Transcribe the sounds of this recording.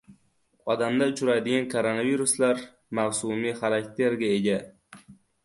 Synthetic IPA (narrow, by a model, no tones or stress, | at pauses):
ɒd̪amd̪aʊt͡ʃʰʊɾajd̪ɪɡʲankʰoɾonaviɾuslaɾ | mawsumiχaɾakʲt̪ʰe̞ɾɡʲaeɡʲa